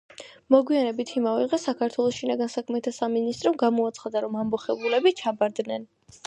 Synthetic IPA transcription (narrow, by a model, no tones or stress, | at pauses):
mɔɡwianɛbit̪ʰimavɛʁɛsakʰaɾt̪ʰwɛlˠɔsʃinaɡansakʰmɛt̪ʰasaminist̪ʼɾɔmɡamɔat̪sʰχad̪aɾɔmamɔχɛbulɛbit͡ʃʰabaɾd̪nɛn